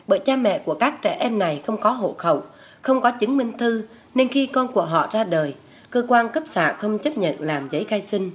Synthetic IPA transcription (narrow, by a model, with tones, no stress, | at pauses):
ɓə̰ː˧˨jt͡ɕaː˧mɛ̰˧˨ku˧˩əkaː˦˥k̚t͡ɕɛ̰˧˩ʔɛ˧mna˨˩jxə˧wŋ͡mkɔ˨˦ɦo̰˧˨xə˧˩˨w | xə˧wŋ͡mkɔ˨˦t͡ɕɨ˨˦ŋmï˧ŋ̟t̪ʰɨ˧ | ne˧nxi˧kɔ˧nku˧˩əɦɔ̰˧˨zaː˧ɗəː˨˩j | kəː˧kwaː˧nkə˦˥p̚sa̰ː˧˨xə˧wŋ͡mt͡ɕə˦˥p̚ɲə̰˧˨nlaː˨˩mzə˨˦jxaː˧jsï˧ŋ̟